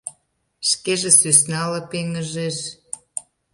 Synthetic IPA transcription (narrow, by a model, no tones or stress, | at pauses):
ʃkeʒĕsysnɑlə̆peŋəʒeʃ